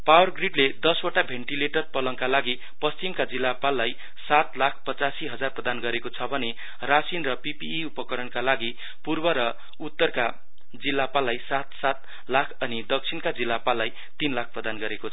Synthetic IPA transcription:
pawʌrɡriʈled̪ʌswoʈabʱeɳʈileʈʌrpʌlʌŋkalaɡi | pʌst͡simkad͡zilːapalːaj | sat̪lakʰpʌt͡sasiɦʌd͡zarprʌd̪anɡʌɾekot͡sʰʌbʱʌne | rasinrʌpipiːupʌkʌɾʌnkalaɡi | purbʌɾʌ | ut̪ːʌrka | d͡zilːapalːajsat̪sat̪ | lakʰʌnid̪ʌk̚t͡sʰinkad͡zilːapalːaj | t̪inlak̚ʰprʌd̪anɡʌɾekot͡sʰʌ

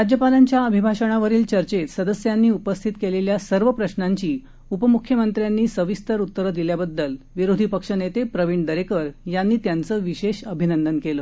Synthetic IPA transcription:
ɾad͡ʑjəpalaɲt͡ɕjaəbʱibʱaɕəɽ̃aʋəɾiːlt͡ɕəɾt͡ɕet̪səd̪əsjanːiːupəst̪ʰit̪keleljasəɾʋəpɾəɕnaɲt͡ɕiː | upəmukʰjəmənt̪ɾjanːiːsəʋist̪əɾut̪ːəɾəd̪iljabəd̪ːəl | ʋiɾod̪ʱipəkʂənet̪epɾəʋiɳɖd̪əɾekəɾjanːiːt̪jant͡səːʋiɕeɕəbʱinənd̪ənkeləː

